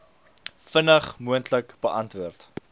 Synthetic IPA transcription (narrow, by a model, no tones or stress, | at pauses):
fənəχmuəntləkbəʔɐntvuərt